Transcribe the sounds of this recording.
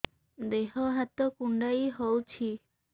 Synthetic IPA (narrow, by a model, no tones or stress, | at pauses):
d̪eɦɔɦat̪ɔkuɳɖajɦowt͡ʃʰi